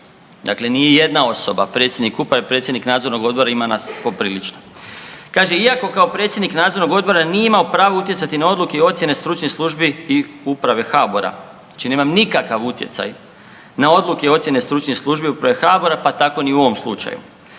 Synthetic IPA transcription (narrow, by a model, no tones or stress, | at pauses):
d̪a̰kle̞nijeje̞d̪nao̞so̞ba̰pɾet̪sjed̪nikupɾaʋepɾet̪sjed̪niknaːd̪zo̞ɾnoɡo̞d̪̚bo̞ɾaimanaspo̞pɾiːlit͡ʃno | kaːʒeiako̞kaopɾet̪sʲjed̪niknaːd̪zo̞ɾnoɡod̪̚bo̞ɾanijeimaopɾaːʋout̪jet̪sat̪inao̞d̪lukeo̞t̪sjene̞st̪ɾut͡ʃnislˠuʒbiiupɾaʋe̞xaːboɾa̰ | at͡ʃine̞ːmamnikakaʋut̪je̞t̪sa̰j | nao̞d̪lukeo̞t̪sjene̞st̪ɾut͡ʃnislˠuʒbiupɾaʋe̞xaːbo̞ɾapat̪ako̞niuo̞ʋo̞mslˠṵt͡ʃa̰jṵ